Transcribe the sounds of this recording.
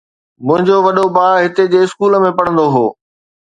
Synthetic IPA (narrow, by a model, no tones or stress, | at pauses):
mʊ̃ɦɪ̃ɲd͡ʑoʋɐɗobaːɦɪt̪ed͡ʑeːɪskuːləmẽpɐɽə̃nd̪oɦoː